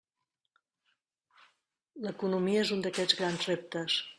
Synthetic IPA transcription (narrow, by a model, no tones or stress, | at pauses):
ləkunumiəezund̪əkɛd͡zɣɾanzrep̚t̪əs